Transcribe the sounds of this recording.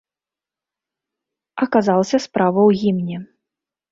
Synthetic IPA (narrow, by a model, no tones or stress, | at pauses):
ɐkazalˠɐsʲɐspɾavɐwɣʲimnʲɛ